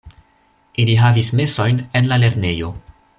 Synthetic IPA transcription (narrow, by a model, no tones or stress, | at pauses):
iliɦavisme̞so̞jnenlale̞ɾne̞jo̞